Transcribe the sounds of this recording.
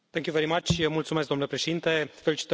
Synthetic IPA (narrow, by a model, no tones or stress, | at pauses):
peŋkʲuveɾimat͡ʃʲəmult̪sumesk̚d̪omnlepɾeʃe̞d̪int̪e̞felit͡ʃi̥t̪